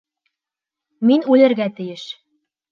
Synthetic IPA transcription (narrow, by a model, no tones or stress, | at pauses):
minʉlɘ̆ɾɡæt̪ɘ̆jɘʃ